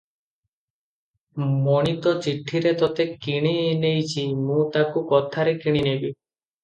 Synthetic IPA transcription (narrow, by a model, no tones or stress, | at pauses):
mɔɽ̃it̪ɔt͡ʃiʈʰiɾet̪ɔt̪ekːiɽ̃ienejt͡ʃʰimũt̪akukɔt̪ʰaɾekiɽ̃inebi